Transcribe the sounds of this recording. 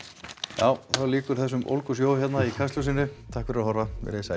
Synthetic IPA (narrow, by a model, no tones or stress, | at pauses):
jaːwθawliːkʏɾ̥θɛsːʏmʔo̰wlkʏs̬joːwçɛt̪naikʰast̪os̬ɪnːɪt̪ʰahkfɪɾahɔɾvavɪ̰ɾesa